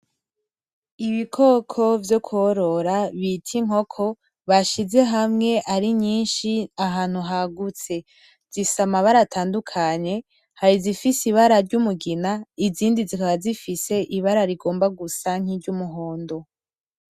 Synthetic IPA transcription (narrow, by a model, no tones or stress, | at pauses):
iβikʰo̞kʰo̞vjo̞kʰuoɾo̞ɾaβitʰiŋ̥ho̞kʰo̞ | βaʃize̞ɦamŋe̞ʔaɾiɲiːnʃiaɦaːn̥huɦaɡut͡se̞ | z̥isamaβaɾatʰaːndukʰaɲe̞ | haɾizifisiβaɾaɾɟumuɡinaiziːndizikaβazifise̞ʔiβaɾaɾiɡo̞ːmbaɡusaŋ̥iɾɟumuɦo̞ːndo̞